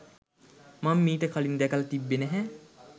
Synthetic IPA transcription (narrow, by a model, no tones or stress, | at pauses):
mamːiːʈəkʰalind̪ɛkəlɐt̪ibːenæɦɛ